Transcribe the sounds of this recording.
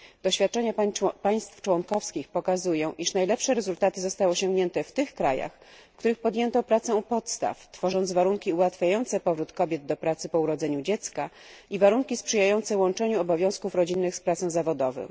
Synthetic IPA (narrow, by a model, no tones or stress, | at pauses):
d̪̥ɔɕfʲjat̪̚t͡ʂɛɲapaj̃st̪ft͡ʂwɔŋkɔfskʲixpɔkazujɔ̃w̃ʔiʂnajlɛpʂɛɾɛzult̪at̪ɘzɔst̪awɔɕɔŋɡɲɛnt̪ɛft̪ɘxkɾaja̰xfkt̪uɾɘxpɔd̪ʲjɛnt̪ɔpɾat̪sɛupɔt̪st̪a̰ft̪fɔʐɔnd̪zvaɾuŋkʲiuwat̪fʲjajɔnt̪sɛpɔvɾut̪kɔbʲjɛd̪d̪ɔpɾat̪sɘpɔuɾɔd̪zɛɲud͡ʑɛt̪skaivaɾuŋkʲispʂɘjajɔnt̪sɛwɔnt͡ʂɛɲuɔbɔvʲjɔ̃w̃skufɾɔd͡ʑinːɘxspɾat̪sɔ̃w̃zavɔd̪ɔvɔ̰̃